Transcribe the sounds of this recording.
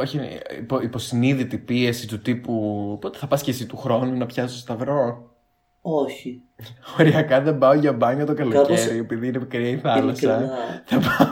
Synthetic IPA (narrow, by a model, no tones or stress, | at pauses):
oçiḭpoipo̞siniðit̪ipie̞sit̪ut̪ipupo̞t̪eθɐpɐscesit̪uxɾo̞nunɐpçɐst̪ost̪ɐvɾo̞ | oçi | ooɾiɐkɐðe̞mbɐoʝɐbɐɲɐt̪o̞kɐloceɾie̞piðiinepikɾiɐiθɐlɐsɐθɐpɐ